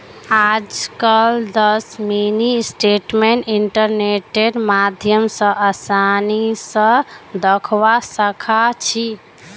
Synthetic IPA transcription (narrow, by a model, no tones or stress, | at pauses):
ad͡ʒkəld̪əsminisʈeʈmeɳʈiɳʈəɾneʈeɖmad̪ʱjəmsə̃ʔəsanisə̃d̪əkʰʋasəkʰat͡ʃʰi